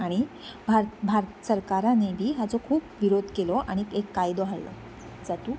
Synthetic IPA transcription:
aɽ̃i | bʱaɾt̪bʱaɾt̪səɾkaɾanebʱiːɦat͡sokʰuːpʋiɾod̪ʱkelɔʔa̰ɽ̃ikekːajd̪oɦallɔ̰ | d͡zat̪uː

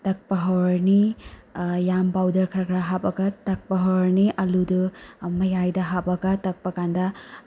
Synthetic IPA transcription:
tɐk̚pɐɦɔwɾni | jambawdɐɾkʰɐɾakʰɾaɦabɐɡɐtɐk̚pɐɦɔwɾniʔɐludɯmɐjajdɐɦapɐɡɐtɐk̚pɐkandɐ

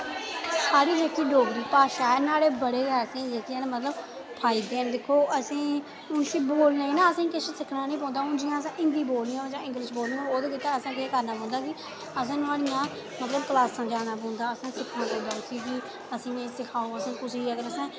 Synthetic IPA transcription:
saːɾiːd͡ʒeːkiːɖoːɡɾiːpaːʃaːnaːɽeːbəɽeːɡɛːɾsĩːd͡ʒeːkiɛːnmət̪ləb | pʰaːɪːd̪eːnd̪ɪkʰːoːʔəsĩː | ʊnsĩːboːlnaiːnãːəsĩːkɪseːsɪkʰnaːnəĩːp̬ɔ̃ːnd̪aːʊnd͡ʒɪjãːəsãːʔɪ̃nd̪iːboːlnɪjãːd͡ʒãːɪ̃ŋɡlɪʃboːlniãoːd̪kiːt̪ãːəsãːkɪseːkəɾnaːpɔ̃ːnd̪aːkɪ | əs̬ãːnʊaːlɪjãː | mət̪ləb̚klaːsãːd͡ʒaːnaːp̬ɔ̃ːnd̪aːəsãːsɪkʰnãːpɔ̃ːnd̪aːʊsĩːki | əsĩːẽsɪkʰaːoːəsĩːkʊsiːəɡəɾəsɛ̃ː

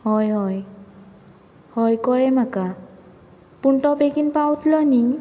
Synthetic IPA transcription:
hɔjɦɔj | hɔjkɔɹɛmaka | puntɔbekinpawtʰlɔjni

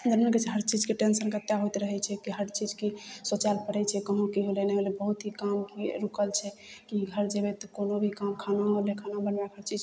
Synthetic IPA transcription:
d͡ʒənmənket͡ʃʰɦəɾt͡ʃid͡ʒkeʈensənkət̪jaɦot̪ɾəɦɛt͡ʃʰɛkiɦəɾt͡ʃid͡ʒkesot͡ʃalpəɽɛt͡ʃʰɛkəɦõkiɦoleneolebəɦut̪ɦikamkeɾukəlt͡ʃʰɛkiɡʱəɾd͡ʒebet̪ɔkonobʱikamkʰanaɦolekʰanabənbakɦəɾt͡ʃid͡ʒ

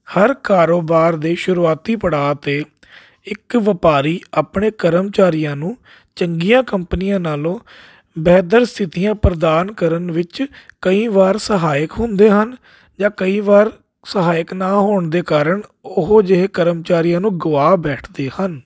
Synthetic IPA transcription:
həɾkaːɾoːbaːɾd̪eːʃʊɾuːaːt̪iːpəɽaːt̪eː | ɪkʋəpaːɾiːaːpɳeːkəɾəmt͡ʃaːɾijãːnũː | t͡ʃəŋɡiːjãːkəmpnɪjãːnaːlõː | bɛːtd̪əɾst̪ʰɪt̪ijãːpɾəd̪aːnkəɾənʋɪt͡ʃkəiːʋaːɾsəɦaːəkɦʊ̃nd̪eːɦən | d͡ʒãːkəiːʋaːɾ | səɦaːɪəknaːɦoːɳd̪eːkaːɾəɳʊɦoːd͡ʒɪɦeːkəɾəmt͡ʃaːɾijãːnũːɡʊʋaːbɛːʈʰd̪eːhən

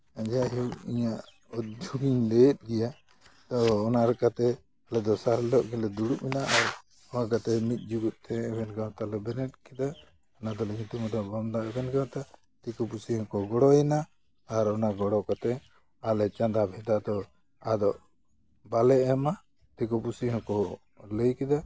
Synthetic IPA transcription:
ad͡ʒaɦiwiɲaʔ | ɔt̪̚d͡ʒuɡiɲlɛt̪̚ɡɛja | t̪ɔːnaɾɛkat̪ɛ | alɛd̪ɔsaɾlɔʔɡɛlɛd̪uɽuʔmɛnaʔaɾ | ɔnakat̪ɛmit̪̚ˀd͡ʒuɡut̪̚ˀt̪ʰɛɛbɛnɡawt̪alɛbɛnɛt̪̚kɛd̪a | ɔnad̪ɔlɛɡit̪umɔd̪ɔbɔmd̪aɛbɛnɡãwt̪a | t̪ikɔpusiɦɔ̃kɔɡɔɽɔɛnaː | ɾɔnaɡɔɽɔkat̪ɛ | alɛt͡ʃãnd̪abʱɛd̪ad̪ɔ | ad̪ɔʔ | balɛɛma | t̪ikɔpusiɦɔ̃kɔ | ləjkɛd̪a

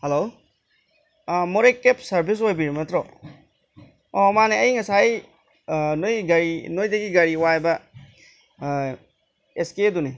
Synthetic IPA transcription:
helo | mɔɾekːepsaɾbʱis̬wajbiɾimatɾɔ | ɔmaneɐjŋasaj | nojɡaɾinojdaɡiɡaɾiwajba | eskeeduni

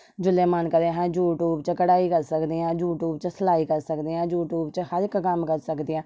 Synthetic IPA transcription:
d͡ʒʊlẽːmənkəɾẽɦɛ̃ːjuːʈuːbt͡ʃəkəɽaːikəɾsəkd̪eːɛ̃ːjuːʈuːbt͡ʃəsəlaːiːkəɾsəkd̪eːɛ̃ːjuːʈuːbt͡ʃəhəɾɪkːəmkəɾsəkd̪eːɛ̃ː

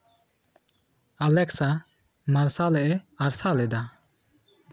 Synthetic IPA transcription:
alɛksa | maɾsalɛʔɛaɾsalɛd̪a

